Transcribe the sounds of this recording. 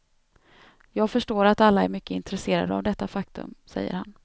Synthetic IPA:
jɑːɡfœʂʈoːɾat̪alːaɛɾmʏkːəɪnt̪ɾɛseːɾa̰d̪əa̰vd̪ɛt̪ːafakt̪ɵ̰msɛ̰jːə̰ɾha̰n

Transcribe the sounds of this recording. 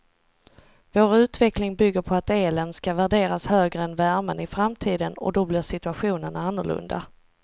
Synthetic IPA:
voːɾʉ̟ːt̪vɛklɪŋbʏɡːəɾpʰɔat̪eːlɛnskavæɖeːɾashøːɡɾəɛnvæɾmənɪfɾamt̪ʰiːd̪ənɔ̰d̪ɔblɪɾʂɪt̪ɵaɧuːnənanːʊɭɵ̰nd̪a̰

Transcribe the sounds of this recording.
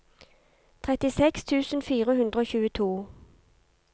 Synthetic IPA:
t̪ʰʁɛt̪ɪsɛkst̪ʰʉːsn̩fiːʁəhʉnd̪ʁəoːçʉːət̪ʰuː

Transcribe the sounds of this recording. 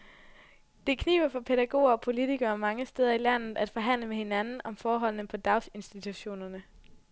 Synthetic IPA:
d̥e̝kʰnḭːʊ̥ɐfɒ̽pʰe̝ɾæɡ̥o̝̰ːɐɒ̽pʰo̝lit͡sʰiɡ̥ɐːmɑ̈ŋəsd̥eːð̞ˠɐilæn̰ð̩ˠæd̥fɒ̽ɦæn̰ləmehe̝nænn̩ɒ̽mfɒːɦɒ̽l̰nəpʰɒ̽d̥ɑ̈ʊse̝nsd̥it͡sʰuɕo̝̰ːnɐnə

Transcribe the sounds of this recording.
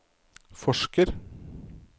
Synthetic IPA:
fɔʃkəɾ

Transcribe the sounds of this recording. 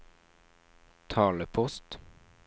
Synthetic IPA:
t̪ʰɑːləpʰɔst̪

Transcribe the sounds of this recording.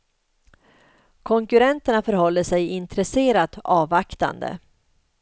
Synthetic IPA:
kʰɔŋkɵɾɛnt̪əɳafœɾhɔlːəʂɛjɪnt̪ɾɛseːɾat̪ɑːvakt̪a̰nd̪ə̰

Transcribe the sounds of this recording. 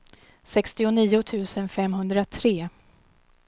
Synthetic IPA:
sɛkst̪ɪʊniːʊt̪ʰʉ̟ːsənfɛmːɦɵnd̪ɾat̪ʰɾeː

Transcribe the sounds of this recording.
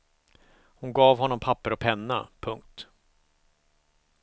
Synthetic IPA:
hʊnɡɑːvhɔnːɔmpʰapːəɾɔpʰɛnːa̰pʰɵŋk̚t̪

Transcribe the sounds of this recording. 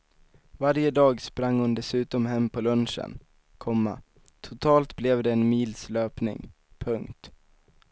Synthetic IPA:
vaɾjəd̪ɑːɡspɾaŋːhʊnd̪ɛsʉ̟ːt̪ɔmɦɛmːpʰɔlɵnʂə̰n | kʰɔmːa̰ | t̪ʰʊt̪ʰɑːlt̪blɛvd̪ɛːnmiːlsløːpnɪ̰ŋ | pʰɵŋkt̪

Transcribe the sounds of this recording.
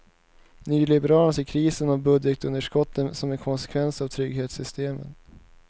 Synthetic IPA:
nyːlɪbɛɾɑːlənseːkʰɾiːsənavbɵd̪jət̪ɵnd̪əʂkɔt̪ʰːənsɔmɛnkʰɔnsɛ̥kʰvɛnsavt̪ʰɾʏɡheːt̪sʏst̪eːmə̰n

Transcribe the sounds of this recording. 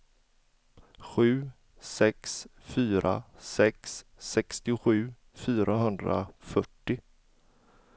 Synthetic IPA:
ɧʉ̟ː | sɛksfyːɾʔa̰sɛksːɛkst̪ɪɧʉ̟ː | fyːɾʔaɦɵnd̪ɾa̰fœʈːɪ

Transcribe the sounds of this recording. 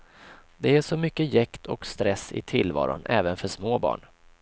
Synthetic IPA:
d̪ɛæʂɔmʏkːəjɛkt̪ʰɔkst̪ɾɛsːɪ̰t̪ʰɪlvɑ̰ːɾʊ̰nʔɛːvənfœʂmoːbɑ̰ːɳ

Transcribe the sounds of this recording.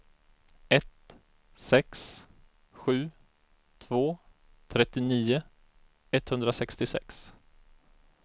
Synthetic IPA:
ɛt̪ | sɛks | ɧʉ̟ː | t̪ʰvoː | t̪ʰɾɛt̪ːɪniːʊ | ɛt̪hɵnd̪ɾasɛkst̪ɪsɛ̰ks

